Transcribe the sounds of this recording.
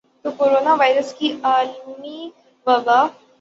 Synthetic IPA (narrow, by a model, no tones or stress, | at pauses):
t̪okoːɾoːnaʋaːɪɾəskiʔaːlmi | ʋɐbaː